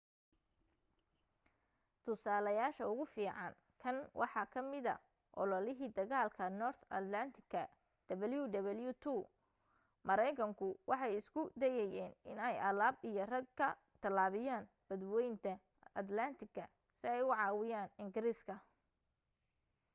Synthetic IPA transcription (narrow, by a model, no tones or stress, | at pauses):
t̪ʰʊsaːlɐjaːʃɐʊɣʊfiːʕɑ̰n | kʰɐnwʔɑ̰ħɑkʰɐmɪðɐ̰ | ʔɔ̰lɔlɪɦiːd̪ɐɣaːlkʰɐnɔrt̪ʰɐ̰t̪lɐnt̪ʰɪkʰːɐ | ɖ̥ɐβɐljuɖɐβɐljut̪ʰu | mɐɾɛjkʰɐŋkʰʊwʔɑħɑjɪskʰʊd̪ɛjɛjɛːnɪnɛjɐlaːbijɞrɐɡkʰɐ | t̪ʰɐlaːβɪjaːn | b̥ɐd̪wɛjnt̪ʰɐ | ɐd̪lɐnt̪ʰɪɡɐ | sɪɛjʊʕɑːwɪjaːnɪŋɡɪɾiskʰɐ